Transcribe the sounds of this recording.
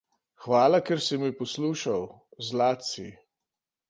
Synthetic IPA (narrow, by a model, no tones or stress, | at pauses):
xʋaːlakɛɾsimipɔsluːʃaw | zlaːt̪sḭ